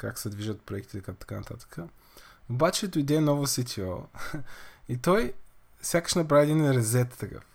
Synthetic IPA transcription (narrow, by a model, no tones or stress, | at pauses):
kaksɛd̪viʒət̪pɾoɛk̚t̪it̪ɛkt̪ɐ̥kanɐt̪at̪ə̥kʰə | obat͡ʃɛd̪ʊjd̪ɛnɔvosit̪ʰiɔ̰ | it̪ɔj | fsʲjakə̥ʃnɐp̬ɾaɛd̪inɾɛzɛt̪ːɐka̰